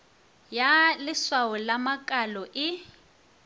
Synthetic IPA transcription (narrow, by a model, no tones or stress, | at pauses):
jalɪswaɔlamakʼalɔʔɪ